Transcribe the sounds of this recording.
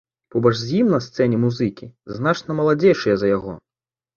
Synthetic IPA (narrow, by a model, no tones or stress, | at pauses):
pɔbɐʐzʲjimnɐst̪sɛnʲɛmuzɨkʲiznat͡ʂnɐmɐlˠad͡zʲejʂɨjɐzɐjaɣɔ̰